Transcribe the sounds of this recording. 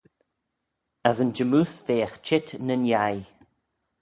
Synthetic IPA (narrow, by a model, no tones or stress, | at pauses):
azənd͡ʒəmuːsveːxt͡ʃɪtnənjaj